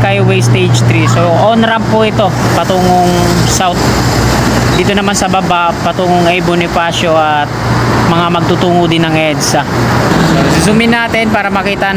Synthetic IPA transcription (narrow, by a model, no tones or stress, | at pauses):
kɐjwɛjst̪ejd͡ʒt̪ɾisoʔoːnɾɐmpʊʔɪt̪o̞pɐt̪uːŋoŋsawt̪̚ | d̪iːt̪onɐmansɐbɐbaʔpɐt̪uːŋoŋɐjbʊnɪpaːʃoʔɐt̪̚mɐŋamɐɡ̚t̪ut̪uːŋʊd̪ɪnːɐŋʔɛd̪sɐsosusʊmɪnːaːt̪ɪnpaːɾɐmɐkiːt̪ɐ